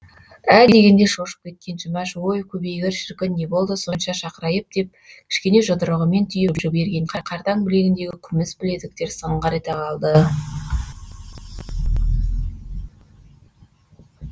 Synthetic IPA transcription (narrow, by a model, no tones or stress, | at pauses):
æd̪e̞ɡʲe̞nd̪e̞ʃo̞ʃə̥p̚kʲʰe̞t̪̚kʲe̞nʒʊmɑʃwo̞jkʲʰɵbejɡʲɪɾʃɪɾkʲɪnnːe̞bo̞lˠd̪əso̞nʃɑʃɑqəɾɑjəp̚d̪̥e̞p̚kkʲʰɪ̥ʃkʲe̞ne̞ʒəd̪əɾəʁəme̞nt̪ʰʏjebʒɪbe̞ɾɡʲe̞ɴqʰɑqʰɑɾt̪ɑŋbɪle̞ɡʲɪnd̪e̞ɡʲɪkʲʰʏmɪsbɪle̞d̪ɪk̚t̪e̞ɾsəɴʁɑɾet̪eqʰɑlˠd̪ə